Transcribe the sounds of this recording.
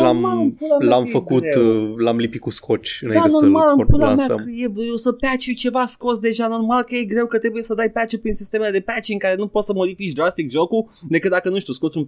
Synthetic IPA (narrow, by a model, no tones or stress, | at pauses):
lammalɨnpulamlamfəkut̪lamlipit̪̚kuskʰo̞t͡ʃʲɨnajd̪ianormalɨmpulameajeosəpat͡ʃejt͡ʃe̞vasko̞ts̬d̪e̞ʒano̞rmalkəje̞ɡɾe̞wkət̪ɾe̞buje̞səd̪ajpat͡ʃepɾinsist̪e̞meled̪e̞pat͡ʃeɨŋkaɾe̞nupo̞t̪səmo̞d̪ifit͡ʃʲd̪ɾast̪ikʒo̞ku | d̪ekɨt̪̚d̪akənuʃt̪ʲusko̞t̪sʲun